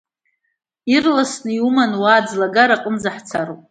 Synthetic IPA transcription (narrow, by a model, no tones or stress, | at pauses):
irlasnɨiumanwaːd͡zlaɡaɾaqʼəmzaħt͡sʰaɾopʼ